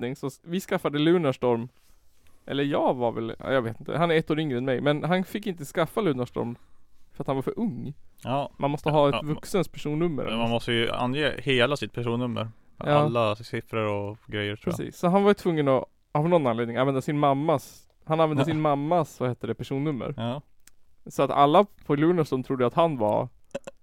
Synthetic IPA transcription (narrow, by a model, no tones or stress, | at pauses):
nɪŋsɔvɪskafːad̪əlʉ̟ːnaʂʈɔɾm | ʔɛ̰lːəɾjɑːɡvaɾvɛ̰l̰ːjaɡveːt̪ɪnt̪ʰə̰hanæɾɛt̪ːoːɾʏŋɾəɛnmɛjmɛnɦanfɪkːɪnt̪əskafːalʉ̟ːnaʂʈɔ̰ɾmfœɾat̪hanvaɾfœɾʔɵŋːjɑːmanmɔst̪əɦɑːɛt̪vɵksənt̪̚pʰæʂuːnːɵmːə̰ɾɛ̰manmɔst̪əjɵa̰njeːheːlasɪt̪̚pʰæʂuːnːɵmːə̰ɾ | m̰aːlːasɪfɾəɾɔɡɾɛjəɾʰɾpːɾ̰ɛsḭːsːɔɦanvaɾjʏt̪ʰvɵŋːənɔ | havnɔnːanleːd̪nɪŋanvɛnd̪asɪnmamːas | hananvɛnd̪əs̬ɪnmamːasvaheːt̪ːəɖɛpʰæʂuːnːɵmːə̰ɾ | sɔat̪a̰lːapʰɔlʉːnaʂɔmt̪ʰɾʊd̪ːjat̪hanva̰ɾ